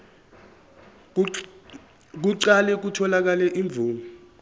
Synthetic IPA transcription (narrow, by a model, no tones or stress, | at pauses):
k̬uǀalɛk̬utʰɔlak̬alɛʔiɱb̪vʱuːŋu